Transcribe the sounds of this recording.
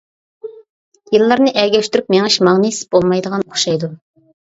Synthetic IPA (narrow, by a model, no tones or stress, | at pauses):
jɨlˠːɑɾnɨʔɛɡʲɛʃʲt̪yɾypmeŋɪʃmɑʁnisɪ̥b̥olˠmɑjd̪əʁɑnoχʃɑjd̪u